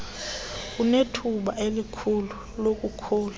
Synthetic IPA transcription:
k̬unetʰuɓaelikʰulu | lok̬ʼukʰuːla

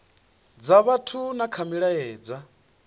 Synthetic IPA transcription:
d͡zaβatʰunakʰamiɺajɛːd͡za

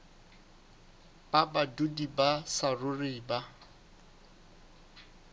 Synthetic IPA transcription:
babadudibasarʊrɪːba

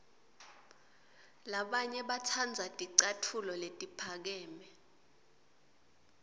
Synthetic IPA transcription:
laɓaɲɛɓatʰand͡zʱatʼiǀatʰulɔletʼipʰak̬ɛːmɛ

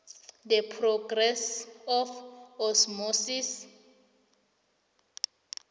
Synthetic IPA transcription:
dɛpʰrɔɡrɛsɔfɔsmosis

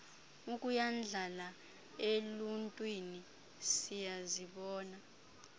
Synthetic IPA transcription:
ukʼujand͡ɮʱala | eluntʼwini | sijaziɓɔːna

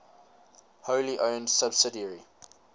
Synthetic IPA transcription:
hoʊliʔə̃ʊ̃ndsəbsɪdiəɹi

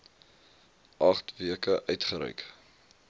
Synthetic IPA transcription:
ʔɐχtviəkəʔœɥtχəɾœ̰ɥk

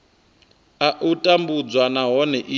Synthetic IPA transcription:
aʔutʼambud͡zwanaɦɔnɛʔi

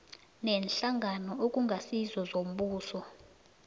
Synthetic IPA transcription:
nɛnɬaŋʱanɔokʼuŋɡʱasizɔzom̩ɓuːsɔ

